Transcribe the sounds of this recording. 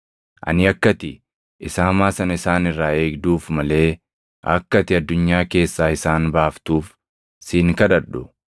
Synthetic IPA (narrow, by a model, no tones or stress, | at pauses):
ʔɐ̰nɪɐkːɐt̪ɪ | ʔɪsɐːɐmaːsɐnɐɪsaːnɪrːaːe̞ːɡd̪uːfmɐle̞ː | ʔɐ̰kːɐt̪ɪɐd̪ːʊɲːaːke̞ːsːaːɪsaːnbaːft̪uːf | siːŋkɐᶑ̪ɐᶑʊ